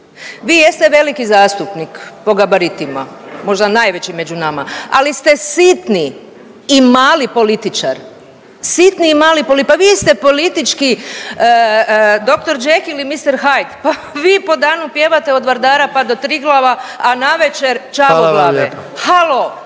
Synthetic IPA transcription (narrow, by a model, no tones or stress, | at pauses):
ʋiːjest̪eʋe̞likizaːst̪upnikpo̞ɡabaɾit̪ima̰mo̞ʒd̪anajʋe̞t͡ɕime̞d͡ʒunamaa̰list̪e̞sit̪niː | maːlipo̞lit̪it͡ʃa̰ɾ | sit̪niːmaːlipo̞lipaʋist̪epo̞lit̪it͡ʃki | d̪o̞kt̪o̞ɾd͡ʒexilimist̪eɾxajt̪paʋiːpo̞d̪aːnupje̞ʋat̪eod̪ʋaɾd̪aːɾapad̪o̞t̪ɾiɡlˠaʋaːnaʋe̞t͡ʃe̞ɾt͡ʃaoɡlaːʋehalo